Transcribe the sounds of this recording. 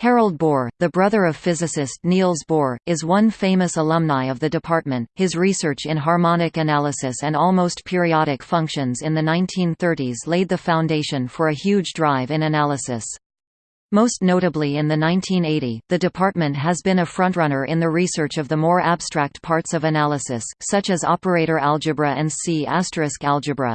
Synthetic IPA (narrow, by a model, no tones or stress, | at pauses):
hɛɹl̩ˠd̚bɔɹðɨbɹʌðə˞ʌv̥fɪzɨsɨstnilˠzbɔɹɨzwʌ̃nfẽɪ̃mɨsəlʌ̃mnaɪʌvðɨdɨpʰɑɹt̚mɨ̃nt̚hɨzɹisɜ˞t͡ʃɨ̃nɦɑɹmɑnɨkɨnælˠəsɨsɨ̃nɔlˠmoʊstpʰɪɹiɑɾɨkfʌ̃ŋkʃɨ̃nzɨ̃nðɨnãɪ̃ntʰĩnθɜ˞ɾizleɪd̪̚ðɨfãʊ̃ndeɪʃɨ̃nfə˞ɨhjʉd͡ʒdɹaɪvɨ̃nɨnælˠəsɨ̰s | moʊstⁿnoʊɾɨbliɨ̃nðɨnãɪ̃ntʰĩneɪɾiðɨdɨpʰɑɹt̚mɨ̃ntʔɦɨzbɨ̃nɨfɹʌ̃nʔɹʌnə˞ʔɪ̃nðɨɹisɜ˞t͡ʃʌvðəmɔɹæb̥stɹ̥æk̚t̚pʰɑɹtsʌvɨnælˠəsɨsːʌt͡ʃɨzɑ̰pə˞eɪɾə˞ʔælˠd͡ʒɨbɹɨʔɨ̃nsiæstɹ̥ɨskælˠd͡ʒɨbɹɨ̰